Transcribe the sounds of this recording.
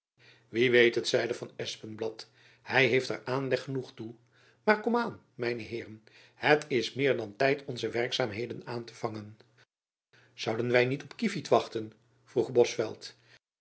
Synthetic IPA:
ʋiʋejtətsɛjdəvɑnɛspənblɑt | hɛjɦejftə̰ɹaːnlɛχənuχtu | maːɹkɔmaːn | mɛjnəɦɪːrən | hətɪsmɪːɹdɑntɛjtʰɔnzəʋɛrksaːmɦejdənaːntəv̥ɑŋən | z̥ʌwdənʋɛjnitɔpkifitʋɑχtən | v̥ruχbɔsfɛ̰lˠt

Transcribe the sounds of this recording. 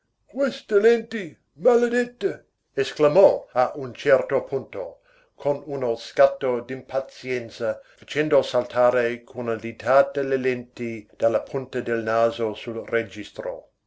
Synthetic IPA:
kwest̪elent̪i | maled̪et̪ːe | esklamɔaʔunt͡ʃɛrt̪opʰunt̪o̰ | kʰonunoskat̪ːod̪impʰat̪sjɛnt̪sɐfat͡ʃɛnd̪osalt̪ʰaːɾekʰunadit̪ʰat̪elelent̪id̪̥alːapʰunt̪ɐd̪elnaːzosulred͡ʒist̪ɾo̰

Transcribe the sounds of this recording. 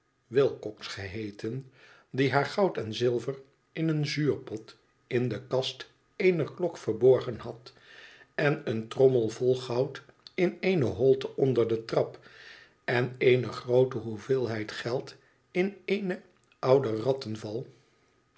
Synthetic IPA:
ʋɪlˠkɔksχəɦejtʰən | diɦaːɹχɑwtɛnzɪlˠvər | ɪnənzyːɹpɔt | ɪndəkɑst | ejnərklɔkfəɹbɔɹχənɦɑt | ɛnəntrɔməlˠvɔlˠχɑwtɪnejnəɦɔlˠtəɔndəɹdətrɑp | ɛnejnəχrowtəɦuvɪːlˠɦɛjtχɛlˠt | ɪnejnə | ɑwdərɑtənvɑlˠ

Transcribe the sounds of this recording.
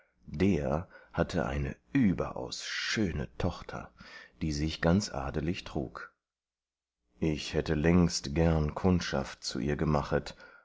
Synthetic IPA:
d̥eːɐhatʰə̰ʔa̰ɪnə̰ʔyːbɐ̰ʔa̰ʊsʃøːnə̰tʰɔχtʰɐ̰d̥iːzɪçɡ̥ant͡sʔa̰ːdəlɪçtʁ̥ṵːk | ʔɪçhɛtəlɛŋstɡ̥ɛɐnkʰʊntʃa̰ft̚t͡sṵʔiːɐɡəmaχət

